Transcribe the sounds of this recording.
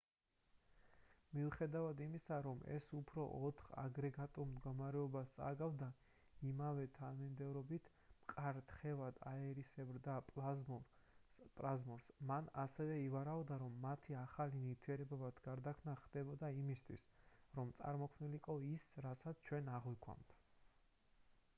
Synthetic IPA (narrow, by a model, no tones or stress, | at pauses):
miuχɛd̪avad̪imisaɾɔmɛ̰supʰɾɔʔɔt̪ʰχa̰ɡɾɛɡat̪ʼuɾmd̪ɡɔmaɾɛɔbast̪sʼa̰ɡavd̪a | imavɛt̪ʰanmind̪ɛvɾɔbit̪ʰ | mqʼaɾt̪ʰχɛvad̪aɛɾisɛbɾd̪apʼaɔ | pʼazmɔɾsmanasɛvɛivaɾaɔd̪aɾɔmːat̪ʰiaχalinit̪ʰiɛɾɛbabat̪ʰɡ̥aɾd̪akʰmnaχd̪̥ɛbɔd̪aimist̪ʰwḭsɾɔmt̪sʼa̰ɾmɔkʰmniliqʼɔisɾasat̪sʰt͡ʃʰwɛnaʁwikʰwa̰mt̪ʰ